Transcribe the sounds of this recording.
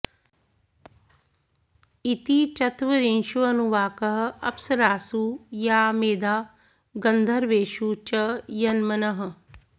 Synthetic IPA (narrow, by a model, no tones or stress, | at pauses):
it̪it͡ʃɐt̪ʋɐɾinʃuɐnuʋaːkɐɦɐ̆ɐ̰psɐɾaːsujaːmeːd̪aː | ɡɐnd̪ʱɐɾʋeːʃut͡ʃɐjɐnmɐnɐɦɐ̆